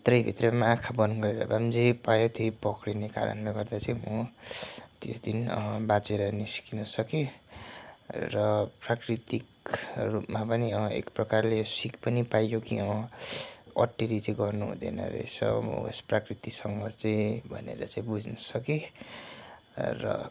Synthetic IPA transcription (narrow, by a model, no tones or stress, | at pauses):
t̪rʌjbʱit̪remaːkʰabʌnɡʌɾeɾʌ̰bamd͡zepajot̪ʰjojpʌkɾineka̰ɾʌ̰nleɡʌrd̪at͡saĩmo | t̪jo̰sd̪inʌ̰bat͡seɾʌniskinʌsʌke | rʌprakrit̪ik | rupmapʌniʌḛkprʌkarlesikpʌnipajokḭʌ | ʌ̰ʈːiɾit͡saĩɡʌrnuɦṵd̪ḛnʌ̰ɾḛsʌ̰m̰ḛsprakrit̪isʌŋɡʌt͡saĩbʱʌ̰nḛɾʌ̰t͡sãĩbud͡znʌsʌke | rʌ̰